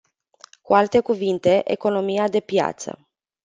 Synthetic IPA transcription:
kualt̪e̞kuvint̪e̞ʔḛko̞no̞mijad̪e̞pja̰t̪sə̰

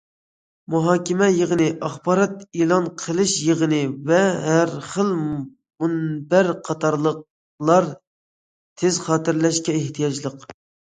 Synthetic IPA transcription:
muɦɑːkʲɪmɛjəʁənɨʔɑχbɑːɾɑt̪elˠɑnqʰəlˠɨʃjəʁənɨvɛɦæɾχəlˠ | munbæɾqʰɑt̪ʰɑɾlˠəq̚ | lˠɑɾ | t̪ʰɪzχɑːt̪ɪɾlɛʃkʲɛeht̪ʰijɑd͡ʒlˠəq

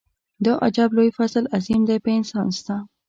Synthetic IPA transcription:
d̪əʔa̰d͡ʒɑblojfasəlazimd̪ajpəɪnsɑnst̪a

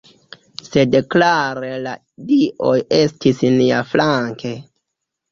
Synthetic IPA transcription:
se̞deklaɾela | diʔo̞je̞stʰisniaflaŋke̞

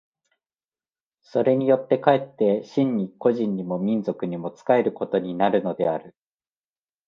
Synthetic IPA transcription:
so̞ɾe̞ɲ̟ijo̞t̪ːe̞kae̞t̪ːe̞ɕĩɲ̟ːiko̞ʑĩɲːimo̞mʲĩnzo̞kɯ̟ɲ̟imo̞t͡sɨ̥kae̞ɾɯ̟ko̞t̪o̞ɲ̟inaɾɯ̟no̞d̪e̞aɾɯ̟

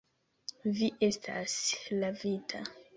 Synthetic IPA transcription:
viʔe̞stʰa̰slavitʰa

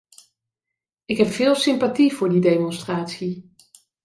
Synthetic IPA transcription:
ɪkɦɛpfɪːlˠsɪmpativ̥ʊːɹdidejmɔnstraːtsi

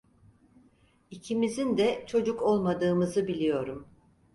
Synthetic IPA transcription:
icʰimizind̪ɛt͡ʃʰo̞d͡ʒuko̞lˠmad̪ɯːmɯzɯbilʲijo̞ɾum

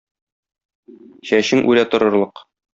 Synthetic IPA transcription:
ɕæɕɘŋʔʉɾæt̪ŏɾɤ̆ɾlˠɤq

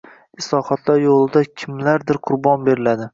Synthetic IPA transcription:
ɪslˠɒhɒt̪ʰlaɾjolˠɪd̪akʲʰɪmlaɾd̪ɪɾqʰʊɾbɒnbe̞ɾɪlad̪ɪ

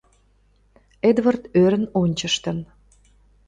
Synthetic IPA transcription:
ed̪vərt̪øɾə̆nonʲt͡ɕəʃt̪ən

